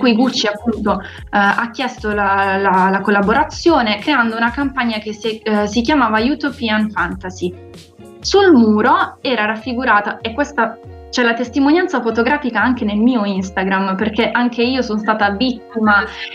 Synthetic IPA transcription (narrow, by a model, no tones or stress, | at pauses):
kuiɡut͡ʃːiapːunt̪o | akːjɛst̪olalalakolːaboɾat̪sːjoːnekɾeand̪ounakampaɲːakesesikjamaːvajut̪opianfant̪azi | sulmuːɾoɛːɾaɾafːiɡuɾaːt̪aekːwest̪a | t͡ʃɛlat̪est̪imonjant̪safot̪oɡɾaːfikaaŋk̟enelmiːoinst̪aɡɾamperkeʔaŋkeiːosonst̪aːt̪abit̪ːima